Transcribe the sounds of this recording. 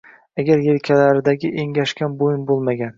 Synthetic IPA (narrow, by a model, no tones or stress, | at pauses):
aɡʲaɾjelkʲʰalaɾɪd̪aɡʲɪʔeŋʲaʃkʲanbojɪnbolˠmaɡʲan